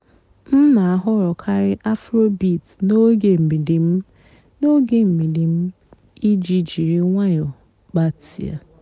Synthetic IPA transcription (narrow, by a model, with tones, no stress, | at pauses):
n̩˦na˨a˨ɦʊ˦ɾɔ˨kʰa˦ɾɪ˦ʔa˦fɾo˦bi˦˨tno˦ɡe˨m̩˨mi˨di˨m̩˦ | no˦ɡe˨m̩˨mi˨di˨m̩˦ | i˦d͡ʒi˦d͡ʒi˨ɾi˦ŋʷa˦ɲɔ˨ | ba˦tḭ˨a̰˨